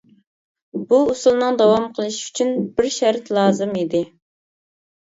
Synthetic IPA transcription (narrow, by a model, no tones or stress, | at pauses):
buusulˠnɨŋd̪ɑwɑmqʰəlˠɨʃy̥t͡ʃʰynbɪɾʃæɾt̪lˠɑːzɨmid̪ɪ